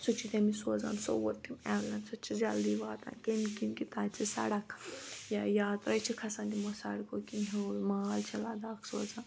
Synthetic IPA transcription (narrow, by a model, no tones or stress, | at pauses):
sut͡ʃʰit̪emisoːd͡za̰ːnso̰ʋot̪ːimaʋlɐnsɐt͡ʃʰid͡ʒɐld̪iʋaːt̪ã̰nkenikinkit̪ãːt͡sisɐ̰ɽɐkjajaːt̪ɾɐjt͡ʃʰikʰɐsãːnd̪imosɐɽkokinɦelmalt͡ʃʰɐlaːd̪aːkso̰ːzaːn